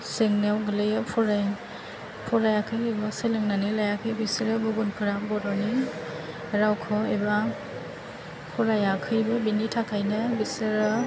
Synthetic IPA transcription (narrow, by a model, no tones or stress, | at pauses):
seŋnawɡɯlɯjɯpʰɔɾaj | pʰɔɾajakʰɯjebaselɯŋnanɯlajakʰɯjbisɯɾɯbuɡunkʰɯɾabɔɾɔni | ɾawkʰɔeba | pʰɔɾajakʰɯjbɯbinitʰakʰajnɯbisɯɾɯ